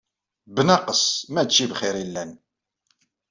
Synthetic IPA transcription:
bənɑqəsmæt͡ʃːivχɪɾilːæn

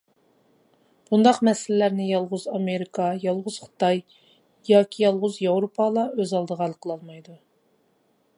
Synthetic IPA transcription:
b̥und̪ɑqmɛsɪlɪlæɾnɪjɑlˠʁʊzɑmeɾikʰɑjɑlˠʁʊz̥χə̥t̪ɑj | jɑːkʲʰijɑlˠʁʊzjɑwɾopʰɑlˠɑøzɑlˠd̪əʁɑlˠqʰəlˠɑlˠmɑjd̪u

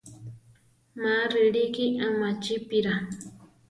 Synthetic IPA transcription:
maɾiɺikiʔamat͡ʃipiɾa

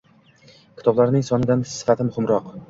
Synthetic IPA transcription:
kʲʰɪ̥t̪ʰɒblaɾnɪŋsɒnɪd̪ansɪ̥fat̪ʰɪmʊhɪmɾɒq

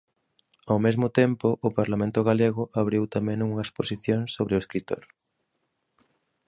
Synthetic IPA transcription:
awmezmʊt̪empʊʔʊpaɾlamẽnt̪ʊɣaleɣʊʔaβ̞ɾiwt̪amẽŋuŋɐesposiθjoŋsoβɾɪʊeskɾit̪o̰ɾ

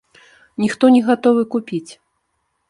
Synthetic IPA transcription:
nʲixt̪ɔnʲɛɣat̪ɔvɨkupʲit͡sʲ

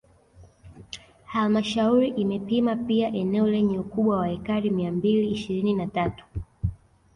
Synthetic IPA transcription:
halmaʃauɾiʔimɛpimapiaʔɛnɛɔlɛɲɛukuɓwawahɛkaɾimiambiliːʃiɾininatatu̥

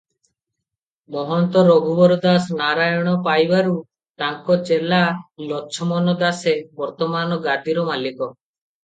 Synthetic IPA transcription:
mɔɦɔnt̪ɔɾɔɡʱubɔɾɔd̪asnaɾajɔɽ̃ɔpajbaɾu | t̪aŋkɔt͡ʃelalɔt͡ʃʰɔmɔnɔd̪asebɔɾt̪ɔmanɔɡad̪iɾɔmalikɔ

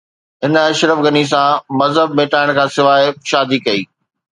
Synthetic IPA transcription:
ɦɪnɐʃɾəfɡɐnis̬ãmɐzɦəbmẽːʈaːɪɽ̃kʰãːsɪʋaːɪʃaːd̪ʱikɐiː

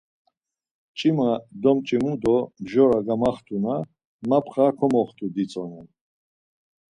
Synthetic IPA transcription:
t͡ʃʼimad̪ɔmt͡ʃʼimud̪ɔmʒɔɾaɡamaχt̪ʰʼuna | mapʰχakʰɔmɔχt̪ʰʼud̪it͡sʼɔnɛn

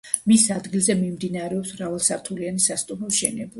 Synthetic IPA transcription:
misad̪ɡilˠzɛmimd̪inaɾɛɔpsmɾavalˠsaɾt̪ʰulianisast̪ʼumɔʃɛnɛb

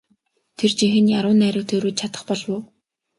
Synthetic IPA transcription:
t̪ʰert͡ɕixɘ̆njaɾʊːnːæːɾə̆k̚t̪ʰeːɾoːt̪̚t͡ɕʰat̪ə̆χpɔɮwʊː

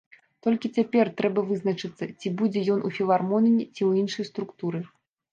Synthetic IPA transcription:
t̪ɔlʲkʲit͡sʲapʲɛrt̪ɾɛbɐvɨznɐt͡ʂɨt̪sːɐt͡sʲibud͡zʲɛjɔnʔufʲilˠarmɔnʲnʲit͡sʲiwinʂɐjst̪ɾukt̪uɾɨ

